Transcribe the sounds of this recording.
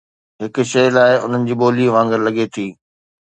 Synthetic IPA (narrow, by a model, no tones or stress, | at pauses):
ɦɪkʃɐjlaːɪʊ̰n̤ənɪ̆d͡ʑiːɓoːliʋãːŋɡəɾlɐɠet̪ʰiː